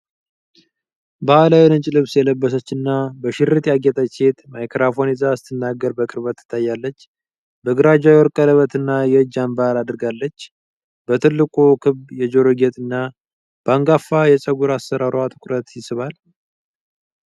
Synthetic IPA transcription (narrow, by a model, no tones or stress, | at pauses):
bəalawɛlɨt͡ʃʼlɨβsjɛləbːəs̬ət͡ʃːɨnːabəʃɪɾɨt̪ʼjaɡɛt̪ʼət͡ʃet̪majkʰɾafo̞nizast̪ʰɨnːaɡəɾbəkʼɨɾbət̪ːɨ̥t̪ʰːajːalːət͡ʃː | bəɡɨɾad͡ʒajɛwɔɾkʼələβət̪ɨnːajɛɨd͡ʒambaalad̪ɨɾɡalːət͡ʃː | b̥ət̪ʰɨlːɨkʼukʰɨβjɛd͡ʒoɾoɡet̪ʼɨnːa | b̥əaŋɡafːajɛt͡ʃʼəɡuɾasːəɾaɾoat̪ʰɨkʼɾət̪jɪsɨβal